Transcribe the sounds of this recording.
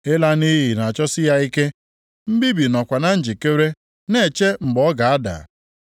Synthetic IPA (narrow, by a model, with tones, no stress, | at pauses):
e˦la˦ni˦ɦi˨na˨a˨t͡ʃɔ˦sɪ˦ja˦i˦ke˦ | m̩˦bi˦bi˨nɔ˨kʷa˨na˦n̩˦d͡ʒi˨ke˦ɾe˦ | ne˨t͡ʃe˦ŋ͡m̩˨ɡ͡bɔ˨˦ɡa˨a˦da̰˨